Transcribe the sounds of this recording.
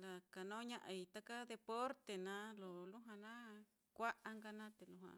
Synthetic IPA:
la˨ka˨nõ˦ɲã˦ʔa˧i˨˧t̪a˦ka˦ðe˧po˦ɾt̪e˨nã˦lo˨lu˦ɦã˧nã˦ | kʷa˦ʔa˧ŋɡa˧nã˦t̪e˨lu˧ɦã̰˧˨

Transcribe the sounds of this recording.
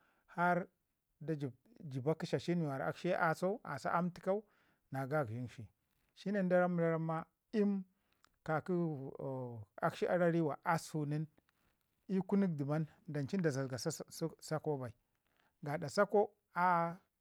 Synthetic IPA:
ha˦ɾ | da˨d͡ʒi˨ | d͡ʒi˨ba˦ki˦ʃa˨ʃi˦ni˨wa˨ɾa̰˨ki˦a˦ʔa˨so˦a̰˨sa̰˦ʔa˦mti̥˦ka˦u˦ | na˨ɡa˦˨ɡʒi˦nʃi˨ | ʃi˦ni˦nda˦ɾa˦m˦ɾa˦ɾa˦mːa˦ | i˦m | ka˨ku˦˨ | a˦kʃi˦ʔa˦ɾa˦ɾi˦wa˨ʔa˦su˨ni˦n | i˦ku˦ni˦k̚di˨ma˦n | da˨nt͡ʃi˦n˦da˨za˨sɡa˨ssa˦ko˦ba˨i˨ | ɡa˨da˨sa˦ko˦ | a˦

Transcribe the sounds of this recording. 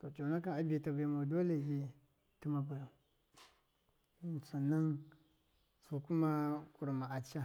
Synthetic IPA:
to˨t͡ʃa˨na˦ka˨a˨bi˨ta˨ba˨ma˨do˦le˨ɡi˦ | ti˦ma˨ba˨ja˨˦˨ | su˨na˦ŋ | so˨ku˦ma˦ku˨ɾma˨a˨t͡ʃa˦

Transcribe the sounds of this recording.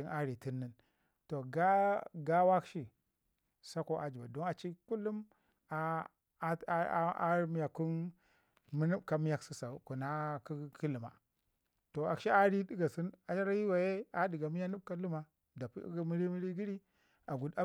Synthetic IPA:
i˦nʔa˦ɾi˨ti˦nːi˦n | to˨ɡa˦ɡa˦wa˦kʃi˦˨ | sa˦ko˦ʔa˨d͡ʒi˨ba˨do˦na˨t͡ʃi˦ku˦lːu˦m | a˦ | a̰˦ɾm˦ja˨ku˦n | mi˦nu˦bka˦mi˦ja˦ksi˦sa˨ku˨na˦kki˦lu˨ma̰˨ | to˨a˨kʃi˦a˦ɾi˦di˦ɡa˨si˦na˨t͡ʃa˦ɾa˦ji˦wa˨je˦a˦di˨ɡa˨mi˦ja˦nu˦b̚ka˦lu˦ma˨ | da˨pmi˦ɾi˦mi˦ɾi˦ɡi˦ɾi˦ | a˨ɡu˨da˦

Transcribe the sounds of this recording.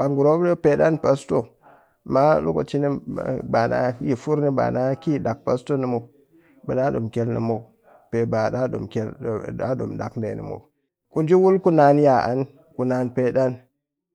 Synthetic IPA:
b̥a˨ŋɡu˨ɾo˦bɗo˦pe˦ɗa˦npa˦sto˦ | ma˦lṵ˦ko̰˨t͡ʃi˦ni˦ba˨na̰˦ji˨fu˦ɾni˦ba̰˨na˦ki˦˨da˨k̚pa˨sto˦ni˨mo˨ | bə˨ɗa˦ɗo˨mke˦lnḭ˨mo˨ | pe˨ba˨ɗa˦ɗo̰˨mke˦la˦ɗo̰˨mda˨kndḛ˨nḭ˨mo̰˨ | ku˨nd͡ʒi˦wu˦lku˦na˨nja˨ʔa̰˦n | ku˨na˨npe˦ɗa˦n

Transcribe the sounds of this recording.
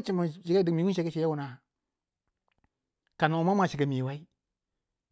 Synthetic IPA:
t͡ʃi˨ma˨ʃi˨ɡa˦di˨mi˨˦u˦ʃ̬e˨˦ke˦ʃi˨ja˦wu˨na˨ | ka˨na˨ma˦m˦a˨ʃi˨ɡa˨mi˨wa˦i˦

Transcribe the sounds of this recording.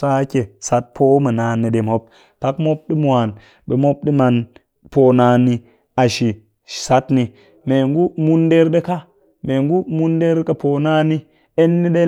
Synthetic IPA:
sa˦ke˨sa˦t̚pʰo˦ma˨naː˨nːi˨de˨mo˦p̚ | ta˦kmo˦p̚ɗi˦mu˨a˨n | be˨mo˦p̚ɗi˦ma˨n | po˨na˨nːi˦ | a˨ʃi̥˨ | sa˦tni˨ | me˨ŋɡu˦mu˦nde˦ɾde˦ka˦ | me˨ŋɡu˦mu˦nde˦ɾka˦po˨na˦ni˦ | e˦nːi˦de˦

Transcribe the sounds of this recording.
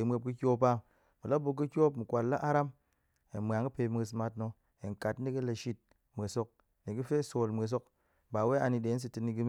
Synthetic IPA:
e˨˦mʷe˧p̚kɨ˦kʲo˦pa˦ | mu˨la˦bu˧kːi˦kʲo˦pmu˨kʷa˨lla˦ʔa˦ɾa˦m | e˨mʷ˨a˨ŋki˦pe˧m˦e˧s̬ma˧tno˧ | e˨ŋ˨ka˨tn̩˦i˦ki˦la˨ʃi˦t̚ | mʷ˨e˨so˧k̚ | ne˨ki˦fe˦so˨lmʷ˨e˨s̬o˦k̚ | ba˨we˦a˧ni˧de˨˦n̩˦s̬i˨ti˧ni˧ɡi˦m˦

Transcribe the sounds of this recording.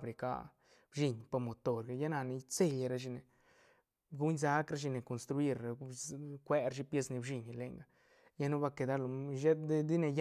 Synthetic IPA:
bɾi˨ka̰˧˦ | bʃi˧ɲpo˧mo˨t̪o˨ɾɡa˧˨ja˦na˧ni˧t͡se˧˨la˧ɾa˦ʃi˧ne˨ | ɡu˦ɲsa˦kɾa˧˦ʃi˧ne˨ko˨nst̪ɾu˧i˦ɾa˨kʷe˦ɾʃi˦pje˧sni˧bʃi˧ɲ˨le˧ŋɡa˨˦ | ja˦nu˦ba˧ke˨d̪a˦lo˨ʃe˦d̪d̪i˦ne˧j

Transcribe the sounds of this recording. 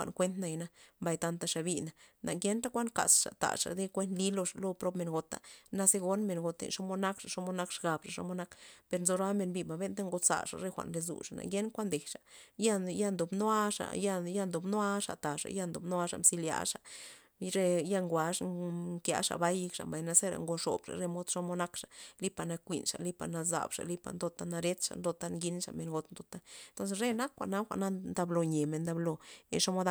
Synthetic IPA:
a̰˨nkʷe˦nt̪na˧jna˧mba˧˨jt̪a˧nt̪a˧ʂa˨bi˧na˨nʔa˨ɡe˦nɾa˦kʷa˦nka̰˨sʂa̰˨t̪a̰˨ʂa̰˨d̪e˦kʷe˦nt̪li˦lo˧ʂa˨lo˧pɾo˦pme˧nɡo˧t̪a̰˨na˧se˦ɡo˧nme˨nɡo˧t̪ḛ˨ʂo˦mo˧na˦kʂa˨ʂo˧mo˧na˦kʂɡa˨bʂa˨ʂo̰˧mo˧˦na˦kpe˧ɾnzo˧ɾa˦me˧nbi˧˨ba˨be˦nt̪a˦ŋɡo˧sa̰˧˨ʂa̰˨ɾe˧˦xʷa̰˨nɾe˧zṵ˨ʂa˨na̰˨ɡje˦nkʷa˦nd̪e˨hʂa˨ja˦ja˦˧nd̪o˨bno˦a˦ʂa̰˨ja˦ja˧nd̪o˨bno˦a˦ʂa̰˨t̪a˨ʂa̰˨ja˦nd̪o˨bn˦a˦ʂa˨msi˧lja̰˧ʂa˨ | ɾe˧ja˦˧ŋɡʷa˨ʂŋŋkja̰˧˦ʂa̰˨ba˦jkʂa̰˨mba˨jna˧se˦ɾa̰˨ŋɡo˧ʂo̰˨bʂa̰˨ɾe˦mo˦d̪ʂo˦mo˦na˦kʂḁ˨li˦pa˧˨na˧kʷḭ˨nʂa˨li˦pa˧˨na˧za̰˨bʂa̰˨li˦pa̰˨nd̪o˧t̪a˦na˧ɾe˦t̪ʂa̰˨nd̪o˧t̪a˦˧ŋɡi˦nʂa˨me˧nɡo˧t̪nd̪o˧t̪a˦nt̪o˦ns̬e˧ɾe˦na˦kxʷa̰˨na˦xʷa̰˨na˦nd̪a˧blo˧ɲe˨me˧nd̪a˧blo˧ḛ˧ʂo˦mo˦d̪a˧

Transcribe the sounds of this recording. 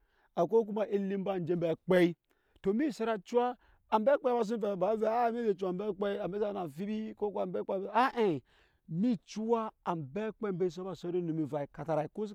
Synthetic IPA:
a˨k̬o˦k̬u˦ma˨ʔi˦li˦m˦ba˦˨n˨d͡ʒe˦m˦be˨k͡pe˦i˦ | to˨mi˦˨se˦ɾa˨t͡ʃu˦aː˦˨ | mbe˦k͡pe˦ba˦˨s̬u˦ve˨ba˨˦ve˨a˦˨˦mi˦ze˨t͡ʃu˦a˨m˨be˦k͡pe˦i˦a˨m˨be˦a˦˨na˨fi˦bi˦ko˦ku˦a˨mbe˦k͡pe˦e˨a˦ʔe˨ | mi˦t͡ʃu˦wa˦a˨mbe˦k͡pe˦mbe˦i˦s̬o˦ba˨so˦o˦nu˨mi˨va˨i˨ka˨ta˨ɾa˨i˨ko˦s

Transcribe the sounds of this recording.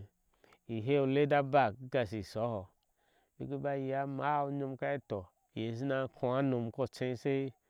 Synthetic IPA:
i˨ɦe˦u˧le˦da˦ba˦˨kɡa˨si˨so˨˦hɔ˨ | bḭ˦ɡe˦ba˦i˨ja˦ma˨˦u˦ɲo˧mka˦i˦to˨ | je˨z̬i˦na˧˦kʰu˧a˦no˨m˨ko˦˨t͡ʃẽ˧˦se˦i˦

